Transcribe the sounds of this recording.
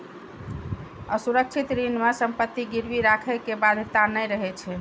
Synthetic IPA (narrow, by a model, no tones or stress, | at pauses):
əsuɾək̚t͡ʃʰit̪ɾinmesəmpət̪ːiɡiɾʋiɾakʰəkebad̪ʱt̪anəjɾəɦɛt͡ʃʰɛ